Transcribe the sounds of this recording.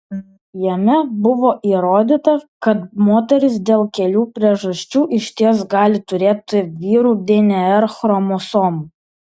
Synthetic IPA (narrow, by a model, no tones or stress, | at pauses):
jɛmʲɛbʊʋoːʔiːɾoːd̪ʲit̪ɐkɐt̪moːt̪ʲɛɾʲɪs̬d̪ʲeːlˠkʲɛlʲuːpʲɾʲiɛʒɐsʲt͡ʃʲuːʔɪʃʲt̪ʲiɛsɡɑːlʲɪt̪ʊɾʲeːt̪ʲɪʋʲiːɾuːd̪ʲenʲɛɛɾxɾɔmosoːmu